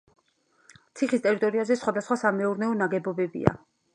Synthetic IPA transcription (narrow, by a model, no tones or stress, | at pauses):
t̪sʰiχist̪ʼɛɾit̪ʼɔɾiazɛsχwad̪asχwasamɛuɾnɛɔnaɡɛbɔbɛbḭa̰